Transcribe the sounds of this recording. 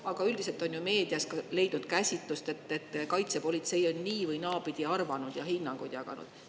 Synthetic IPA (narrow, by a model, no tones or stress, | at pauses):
ɑɡ̥ɑyld̪ise̞lt̪ˑo̞njume̞ːd̪̥iɑskɑle̞jd̥̪nud̪̥kæsʲit̪ˑlust̪e̞t̪ːe̞t̪ːkɑjt̪se̞po̞lʲit̪se̞jo̞nniːvɯjnɑːbid̪̥iɑrvɑnud̪̥jɑhinːɑŋɡ̥ud̪̥jɑɡ̥ɑ̰nṵd̪̥